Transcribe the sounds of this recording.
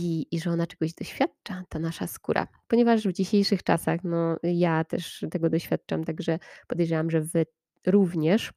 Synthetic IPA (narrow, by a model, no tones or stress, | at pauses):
iiʐɛɔnat͡ʂɛɡɔʑd̪ɔɕfʲjat̪̚t͡ʂat̪anaʂaskṵɾʔa̰pɔɲɛvaʐvd͡ʑiɕejʂɨxt͡ʂa̰saxnɔjat̪ɛʂt̪ɛɡɔd̪ɔɕfʲjat̪̚t͡ʂa̰mt̪aɡʐɛpɔd̪ɛjʐɛwamʐɛvɘ | ɾuvɲɛʂ